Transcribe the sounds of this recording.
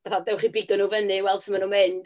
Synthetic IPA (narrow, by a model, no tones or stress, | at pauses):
b̥aθadɛwχibɪɡɔnuvənɨwɛlˠd̥səmanumeɨnd̥